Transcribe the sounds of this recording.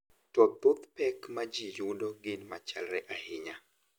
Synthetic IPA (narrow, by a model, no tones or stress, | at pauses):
tɔpot̪pɛkmad͡ʒijudɔɡɪnmat͡ʃalɾɛʔahɪɲa